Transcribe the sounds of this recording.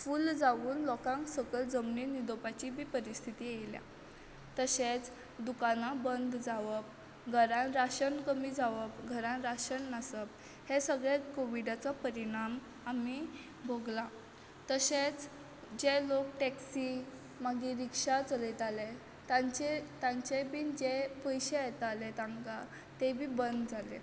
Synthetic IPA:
fuːld͡zaʋuːnlɔkãŋksəkəld͡zəmninid̪opat͡ɕibʱiːpəɾist̪ʰit̪iːejlja̰ | t̪əset͡s | d̪ukanabənd̪ʱd͡zaʋəp̚ | ɡʱəɾãnɾaɕənkəmid͡zaʋəpɡʱəɾãnɾaɕənːəsəp̚ | hesəɡɭɛkoʋiɖat͡sapəɾiɽ̃am | ami | bʱoɡla | t̪əset͡s | d͡ʑelokʈɛksi | maɡiɾikʂat͡səlit̪ale | t̪at͡ɕet̪ãɲt͡ɕebind͡ʑepəjɕeet̪alet̪ãŋka | t̪ebʱiːbənd̪d͡zalḛ

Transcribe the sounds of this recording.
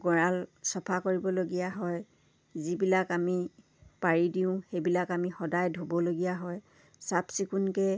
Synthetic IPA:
ɡɔɹalsɔpʰakoɹibɔloɡijaɦɔj | zibilakami | paɹidiʊ̃xejbilakamixɔdajdʱobɔloɡijaɦɔj | sapsikunkɛ

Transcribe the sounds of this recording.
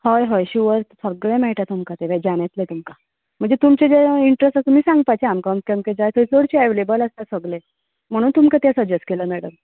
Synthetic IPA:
hojɦojɕuʋəɾsəɡɭẽmɛɦʈ̪at̪umkat̪eʋɛd͡ʑaɽ̃et̪let̪umka | m̤əɳd͡zet̪umt͡ɕed͡zeiɳʈɾesʈasumiːsãŋɡpajt͡ɕeamkɔmskɛmked͡zajt̪oit͡soɽt͡ɕieʋelebələst̪jasəɡle | m̤əɽ̃uːnt̪umkat̪asəd͡ʑeskeləmɛɽəm

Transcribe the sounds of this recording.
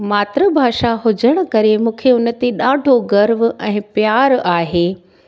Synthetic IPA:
maːt̪ɾəbʱaːʃaɦʊd͡ʑəɽ̃ə̆kɐɾemũːkʰeʊnə̆t̪eɗaːɖʱoɡɐɾʋʔɛ̃ːpjaːɾaːɦeː

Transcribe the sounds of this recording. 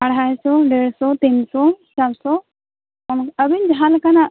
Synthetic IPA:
ɐɽ̤asɔɖeɽsɔt̪insɔt͡ʃalsɔ | ɔnəbind͡ʒɦalkana

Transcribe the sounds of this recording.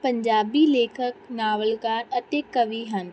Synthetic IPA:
pə̃ɲd͡ʒaːbileːkʰəknaːʋəlkaːɾɐt̪ekːəʋiɦən

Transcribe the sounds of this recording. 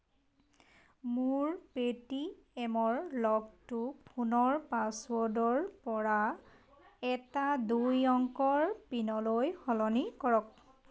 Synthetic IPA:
muɹpetiɛmɔɹlɔɡ̚tupʰunɔɹpasuɔdɔɹpɔɹa | ɛtadujɔŋkɔɹpinɔlojxɔlɔnikɔɹɔk̚

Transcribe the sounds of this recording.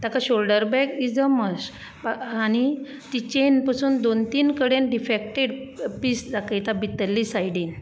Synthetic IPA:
t̪akaɕolɖəɾbɛkid͡zəməs | añi | t̪it͡ɕenpasuːnd̪ont̪iːnkəɽẽnɖifek̚ʈeɽpiːsd͡zakəjt̪abit̪əlːisajɽin

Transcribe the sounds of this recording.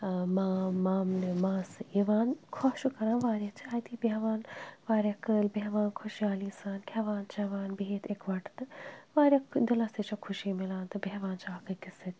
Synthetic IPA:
maːmaːmnɨmãːsɨiʋaːnkʰɔʃukɐɾãːnʋaːɾʲjat͡ʃʰiaːjt̪ibeɦʋaːnʋaːɾʲjakɨlbɛɦʋaːnkʰoʃjaːlisaːnkʰʲɐʋaːnt͡ʃɐʋaːnbiɦet̪ʰekʋɐʈt̪ɨʋaːɾʲjakd̪ɐlɐset͡ʃɐkʰʊʃimilãːnt̪ɨbɛɦʋaːnt͡ʃakɨkisɨt̪

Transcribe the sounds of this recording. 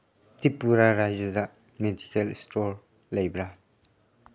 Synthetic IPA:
tipːuɾaɾajd͡ʒɐdɐ | medʱikelstoɾ | lɐjbɾa

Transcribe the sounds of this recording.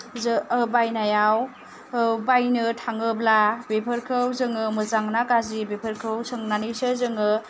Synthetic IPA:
zbajnajaw | bajnɯtʰaŋɯblabepʰəɾkʰɯwzɯŋɯmɯzaŋnakazibepʰəɾkʰɯwsɯŋnanisɯzɯŋɯ

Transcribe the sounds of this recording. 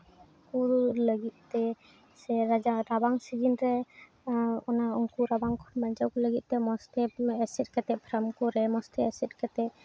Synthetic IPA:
ŋkuləɡit̪̚t̪ɛ | sɛɾad͡ʒaɾabaŋsid͡ʒinɾɛ | ɔnaɔŋkuɾabaŋkʰɔnbaɲd͡ʒawkɔləɡit̪̚ˀt̪ɛmɔst̪ɛɛsɛt̪̚kɛt̪ɛpʰɾamkɔɾɛmɔst̪ɛɛsɛt̪̚kɛt̪ɛ

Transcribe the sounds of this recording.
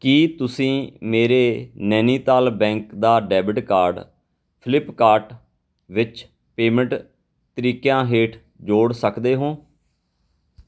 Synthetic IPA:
kiːt̪ʊsĩːmeːɾeːnɛːniːt̪aːlbɛ̃ːŋkd̪aːɖɛːbɪɖkaːɾɖ | pʰɪlɪpkaːɾʈ | ʋɪt͡ʃ | peːmə̃ɳʈ | t̪əɾiːkjãːɦeːʈʰ | d͡ʒoːɽsəkd̪eːɦõː

